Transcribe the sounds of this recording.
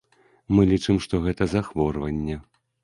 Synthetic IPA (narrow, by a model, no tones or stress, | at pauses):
mɨlʲit͡ʂɨmʂt̪ɔɣɛt̪ɐzaxvɔrvɐnʲːɛ